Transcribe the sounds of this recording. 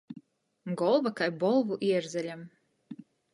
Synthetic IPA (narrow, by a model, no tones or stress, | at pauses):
ɡɔlˠvakajbɔlˠvuʔiɛɾzælʲam